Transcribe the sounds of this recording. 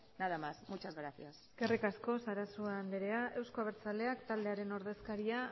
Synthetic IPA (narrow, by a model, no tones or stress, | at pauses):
naðamasmut͡ʃazɣɾaθiasɡerikasko̞saɾasuaːnd̪eɾe̞aʔe̞wsko̞aβeɾt͡sale̞akt̪ald̪e̞aɾe̞no̞ɾð̞e̞skaɾia